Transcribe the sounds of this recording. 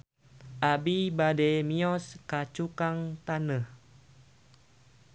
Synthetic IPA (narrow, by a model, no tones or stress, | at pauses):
ʔabibademiɔskat͡ʃukaŋt̪anəh